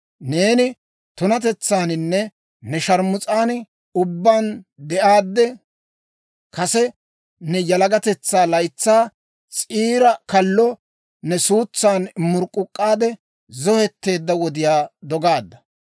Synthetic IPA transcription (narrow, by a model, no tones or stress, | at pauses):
ne̞ːnɪ | t̪ʊnɐt̪ɛt͡sːaːnɪnːɛ | nɛʃɐɾmʊt͡sʼaːn | ʊbːaːnd̪ɛʔaːd̪ːɛ | kɐsɛ | nɛjɐlɐɡɐt̪ɛt͡sːaːlɐjt͡sːaː | t͡sʼiːɾɐkɐlːɔ | nɛsuːt͡sːaːnmʊɾkʼːʊkʼːaːd̪ɛ | zɔhɛt̪ːe̞ːd̪ːɐwɔd̪ɪjaːd̪ɔɡaːd̪ːɐ̥